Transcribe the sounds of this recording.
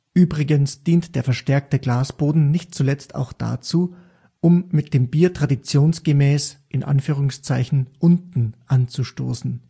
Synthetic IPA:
ʔyːbʁɪɡənsd̥iːntd̥eːɐfɛɐʃtɛɐk̚təɡlaːsb̥oːdn̩nɪçt̚t͡sulɛt͡stʰa̰ʊxd̥a̰t͡suː | ʔʊmːɪt̚d̥eːmbiːɐtʁ̥adit͡sjoːnsɡ̥əmɛːsʔɪnʔa̰nfyːʁ̞ʊŋst͡saɪçn̩ʔʊntn̩ʔant͡suʃtoːsn̩

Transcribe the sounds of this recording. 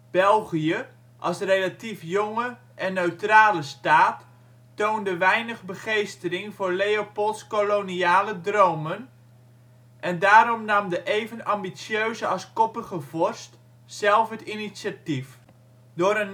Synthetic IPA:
b̥ɛlˠχijə | ʔɑlˠsrelatifjɔŋə | ʔɛnːøɥtraːləstaːtː | owndəʋɛjnəχbəχejstərɪŋvʊːɹlejopolˠtskoloniaːlədrowmən | ʔɛndaːɾɔmnɑmdəʔejvənɑmbisjøɥzəɑskɔpəχəvɔrst | sɛlˠfɦətinitsatif | dʊːɾən

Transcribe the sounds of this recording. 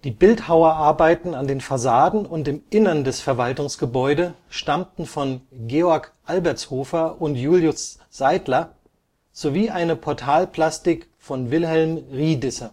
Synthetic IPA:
d̥iːbɪlthaʊɐʔaɐbaɪtn̩andeːnfasaːdn̩ʊntɪmʔɪnɐndɛsfɛɐvaltʊŋsɡ̥əbɔʏdə | ʃtamtn̩fɔnɡeːɔɐkʔalbɛɐt͡shoːfɐʔʊntjuːljʊs | z̥aɪdlɐ | z̥oviːʔaɪnəpʰɔɐtʰaːlpʰl̥astɪk | fɔnvɪlɦɛlmʁiːdɪsɐ

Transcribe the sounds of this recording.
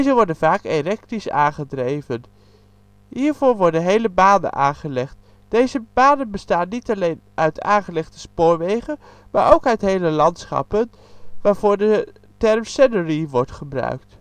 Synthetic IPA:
zəʋɔɹdənvaːkerɛk̚tisa̰ːnχədrejvən | ɦiːɹv̥ʊːɹʋɔɹdənɦejləbaːnə̰nʔa̰ːnχəlɛχt | d̥ejzəbaːdənbəstaːnːitɑlejnʔœɥtʰa̰ːnχəlɛχtə̥spʊːɹʋejχən | maːɹʔowkœɥtɦejləlɑntsχɑ̰pən | ʋaːɹv̥ʊːɹdə | tɛrmsɛnəriʋɔɹtχəbrœ̰ɥkt

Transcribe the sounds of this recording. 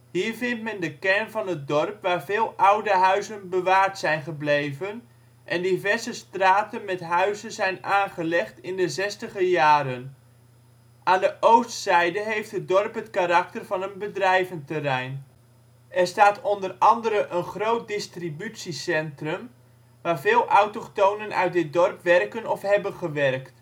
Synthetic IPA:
ɦiːɹvɪntmɛndəkɛɹnvɑnɦət̚dɔrpʋaːɹvɪːlˠʔʌwdəɦœɥzənbəʋaːɹtsɛjnχəblejvən | ʔɛndivɛɹzəstraːtənmɛtɦœɥzənzɛjnaːnχəlɛχtɪndəzɛstəχəjaːɾən | ʔaːndəʔowstsɛjdəɦejftɦət̚dɔrpɦətkarɑktərvɑnənbədrɛjvəntərɛjn | ɛrstaːtɔndərɑndəɾəʔənχrowt̚dɪstribytsisɛntrəm | ʋaːrvɪːlˠʔɑwtoktownənʔœ̰ɥt̚dɪdɔrpʋɛrkənɔfɦɛbənχəʋɛrkt

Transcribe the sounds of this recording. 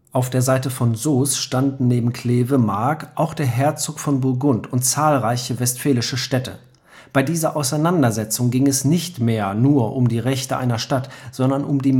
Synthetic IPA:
ʔaʊfd̥eːɐzaɪtəfɔnzoːsʃtandn̩neːbm̩kʰl̥eːvəmaɐkʔaʊxd̥eːɐɦɛɐt͡soːkfɔnbʊɐɡʊntʊntt͡saːlʁaɪçəvɛstfɛːlɪʃəʃtɛtə̰ | b̥aɪdiːzɐʔaʊsaɪnandɐzɛt͡sʊŋɡɪŋɛsnɪçtmeːɐnuːɐʔʊmdiːʁɛçtəʔa̰ɪnɐʃtatz̥ɔndɐnʔʊmdiː

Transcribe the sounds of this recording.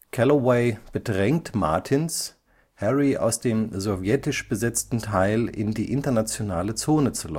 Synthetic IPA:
kʰɛlowɛɪb̥ədʁɛŋ̚tma̰ɐtʰɪns | hɛʁia̰ʊsd̥eːmzovjɛtɪʃb̥əzɛt͡stn̩tʰaɪlɪ̰ndiːʔɪntɐnat͡sjonaːlət͡soːnət͡sulɔ̰

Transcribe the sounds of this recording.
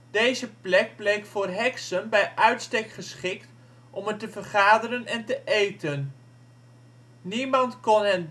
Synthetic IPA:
d̥ejzəplɛk̚blejkfʊːrɦɛksənbɛjʔœɥtstekχəsχɪkt | ʔɔmətəvərχaːdəɾənɛntəʔejtən | nimɑntkɔnɛn

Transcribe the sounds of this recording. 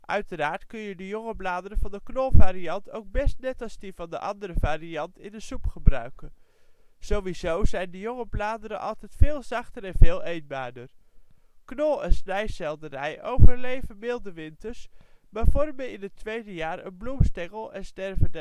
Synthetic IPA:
ʔœɥtəraːɹtkɵnjədəjɔŋəblaːdəɾənvɑndəknɔlˠvaːɾiɑntowɡ̚bɛstnɛtɑlˠzdəvɑndəʔɑndəɾəvaːriɑntɪndəsupχəbrœɥkən | z̥owʋizowzɛjndəjɔŋəblaːdəɾənʔɑ̰lˠtɛjtfɪːlˠzɑχtəɾɛnvɪːlˠejnbaːɹdər | knɔlˠɛnsnɛjsɛlˠdərɛjʔowvəɹlejvənʋɪlˠdəʋɪntəɹsmaːɹvɔrmənɪnətʋejdəjaːɹə̰nblumstɛŋəlˠɛnstɛrvəndə

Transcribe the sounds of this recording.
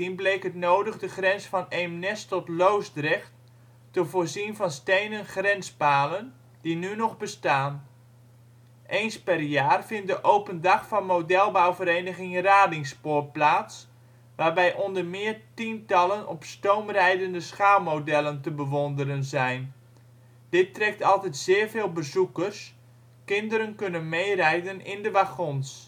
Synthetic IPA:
inblejkɦətnoːdəɣdəχrɛnsfɑnemnɛstɔtlowsdrɛxt | təvoːɹzinvɑnstejnənχrɛnspaːlən | d̥inynɔχbəstaːn | ʔejnspɛrjaːrvɪnt̚dəʔowpəndɑxfɑnmowdɛlˠbawvəɾejnəɣɪŋraːdɪŋspoːrplaːts | ʋaːrbɛjʔɔndərmɪːərtintɑlˠənɔpstowmrɛjdəndəsxaːlˠmoːdɛlˠəntəbəʋɔndəɾənzɛjn | d̥ɪtrɛk̚tɑlˠtɛtz̥ɪːrveːlˠbəzukərs | kɪndəɾənkønənmejrɛjdənɪndəʋaxɔns

